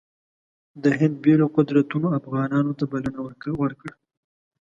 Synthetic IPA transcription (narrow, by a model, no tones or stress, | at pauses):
d̪əɦɪnd̪̚beloqʊd̪ɾat̪unoafɣɑnɑnot̪abalənawwəɾkəɽ